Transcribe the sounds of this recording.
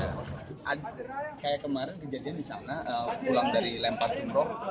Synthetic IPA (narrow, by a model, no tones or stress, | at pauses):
aʔadkajakəmaɾɪnkəd͡ʒadiandisa̰naʔəpulaŋdaɾilɛmpat̪inɾɔk̚